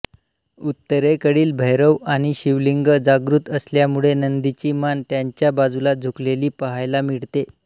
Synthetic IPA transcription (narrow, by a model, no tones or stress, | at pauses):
ut̪ːəɾekəɽiːlbʱəjɾəʋaɽ̃iɕiʋliŋɡəd͡zaɡɾut̪əsljamuɭenənd̪it͡ɕiːmant̪jaɲt͡ɕjabad͡zulad͡zʱukleliːpəɦajlamiɽt̪e